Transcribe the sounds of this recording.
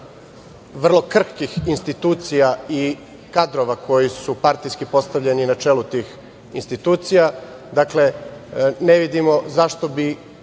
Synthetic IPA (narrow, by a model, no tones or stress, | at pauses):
ʋr̩lˠo̞kr̩kixinst̪it̪uːt̪sijai | kad̪ɾo̞ʋakʰo̞jisupaɾt̪ijskipo̞st̪aʋʎe̞ninat͡ʃeːlut̪iːx | inst̪it̪uːt̪sija | d̪akle̞ | ne̞ʋid̪imo̞zaʃt̪o̞bi